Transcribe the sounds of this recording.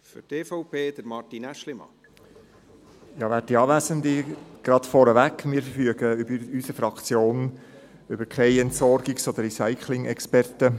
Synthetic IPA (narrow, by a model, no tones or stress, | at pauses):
fʏ̰teːfɔʊpʰeːd̪̥əɾmɑrtinæʃlɪmɑ̰ | jɑːʋæːt̚diɑːʋæzənd̪iɡ̥ɾɑd̥̪fɔɾəʋækmɪːɾfəfyəɡ̥əʏbəɾysəfɾɑkt͡sjoːn | ʏbəɾkʰχɛɪɛntsɔrɡɪksɔd̥̪əɾisæɪkʰlɪŋɛkspɛrt̪ə